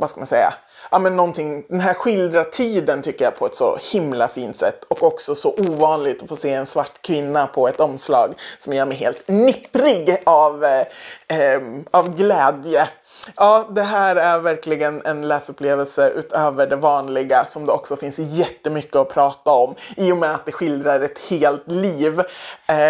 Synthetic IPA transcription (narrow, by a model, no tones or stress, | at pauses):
vaskamansɛjːa̰ | ʔɑmɛnːɔnt̪ʰɪŋd̪ɛnɦæːɾɧɪld̪ɾat̪ʰiːd̪ənt̪ʰʏkːəjapʰɔɛt̪sɔ̰hɪmla̰fiːnt̪sɛ̰t̪ːɔkɔksɔsɔʔuːvɑːnlɪɡ̚t̪ɔfoːseːɛnsvaʈːkʰvɪnːapʰɔɛt̪ɔmslɑ̰ːɡsɔmjœːɾmɛɦeːlt̪nʏpːɾɪɡav | avɡlɛːd̪jə | ɑːd̪ɛɦæːɾæɾvæɾkʰlɪɡənɛ̰nlɛːsɵpːleːvəlsəʔʉ̰ːt̪ʰøːvəɖɛvɑːnlɪɡasɔmd̪ɛɔksɔfɪnsjɛt̪ːəmʏkːəɔpʰɾɑːt̪aɔmːiːjʊmɛat̪̚d̪ɛɧɪld̪ɾaɾɛt̪heːlt̪liːv